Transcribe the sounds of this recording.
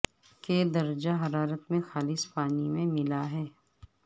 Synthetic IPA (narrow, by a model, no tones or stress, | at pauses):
ked̪ɐɾd͡ʒaɦɐɾaːɾət̪mẽxaːlɪspaːnimẽmɪlaɦɛː